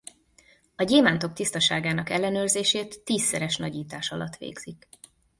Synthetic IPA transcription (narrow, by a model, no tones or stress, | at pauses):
ɒɟeːmaːnt̪o̞k̚t̪ist̪ɒʃaːɡaːnɒkɛlːɛnøːrzeːʃeːt̪ːiːsːɛɾɛʃnɒɟiːt̪aːʃɒlɒt̪ːʋḛːɡz̥ik